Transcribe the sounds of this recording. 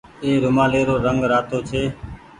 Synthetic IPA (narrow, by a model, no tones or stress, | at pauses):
eːɾʊmaːleːɾoːɾəŋɡɾaːt̪oːt͡ʃʰeː